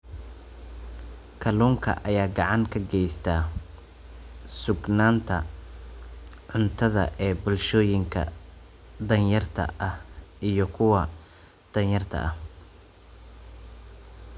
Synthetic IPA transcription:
kʰɐluːŋkʰɐ̰ʔɐjaːɡɑʕɑŋkʰɐɡɛjst̪ʰaː | sʊɡnaːnt̪ʰɐ | ʕʊnt̪ʰɐðɐ̰ʔɛːbʊlʃɔːjɪŋkʰɐ̰ | d̪ɐnjɐrt̪ʰɐ̰ʔɐhʔijɞkʰʊwɐ | d̪̥ɐnjɐrt̪ʰɐ̰ʔɐh

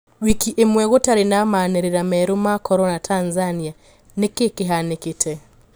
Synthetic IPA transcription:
wikiʔemwɛɣotaɾenamaneɾeɾamɛɾomakʰɔɾɔnatʰanzania | nekekeɦaneketʰɛ

